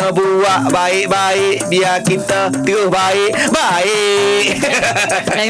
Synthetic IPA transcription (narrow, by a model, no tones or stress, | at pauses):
əbuwaʔbaɪʔbaɪʔbiakint̪ət̪iohbaɪʔbaɪʔ